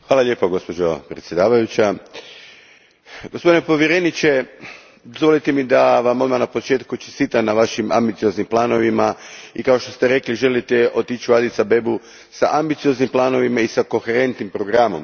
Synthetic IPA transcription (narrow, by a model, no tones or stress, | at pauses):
xʋaːlˠaʎʲje̞ːpoɡo̞spo̞d͡ʒopɾet̪sje̞d̪aːʋajut͡ɕa | ɡospo̞d̪inepo̞ʋjeɾenit͡ʃe̞ | d̪ozʋo̞lit̪emid̪aʋamod̪manapo̞t͡ʃe̞ːt̪kut͡ʃest̪iːt̪anaʋaʃima̰mbit̪sio̞znimplˠaːno̞ʋimaikao̞ʃt̪o̞st̪eɾe̞kliʒe̞lit̪eo̞t̪it͡ʃuad̪it̪sabe̞bu | sa̰ʔambit̪sio̞znimplˠaːno̞ʋimaisako̞xeɾe̞nt̪nimpɾo̞ɡɾamo̞̰m